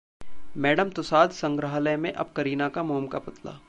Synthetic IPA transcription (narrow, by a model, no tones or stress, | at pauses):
mɛːɖəmt̪ʊsaːd̪sɐ̃ŋɡɾəɦləjmẽʔɐ̰b̚kɐɾiːnakamoːmkapɐt̪la̰ː